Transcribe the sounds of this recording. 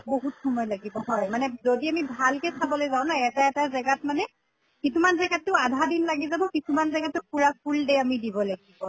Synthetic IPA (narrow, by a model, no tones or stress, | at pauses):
boɦutxɔmɔjlaɡibɔɦɔjmanɛzodiamibʱalkɛsʰabɔlojzaʊ̃naɛtaɛtazɛɡatmanɛ | kisumanzɛɡatːʊadʱadinlaɡizabɔkisumanzɛɡatʊpuɹap̚ʰuldeamidibɔlaɡibɔ